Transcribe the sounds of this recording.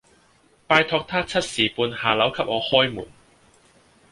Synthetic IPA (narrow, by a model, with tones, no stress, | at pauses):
paː˧jt̪ʰɔː˧k̚t̪ʰaː˥t͡sʰɐ˥t̚siː˨˩puː˧nhaː˨˩lɐ˨˥wkʰɐ˨˥p̚ʔŋɔː˨˧hɔː˥jmṵː˨˩n